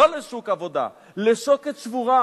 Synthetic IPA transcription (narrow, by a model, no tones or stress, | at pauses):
oleʃukavo̞d̪a̰ | leʃoket̪t͡ʃvuʁa